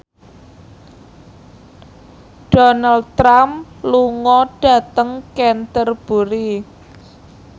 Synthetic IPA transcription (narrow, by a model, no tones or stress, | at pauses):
ɖ̥onald̚t̪ɾamluŋɔɖ̥a̤t̪əŋkɛnt̪ərb̥ṳɾi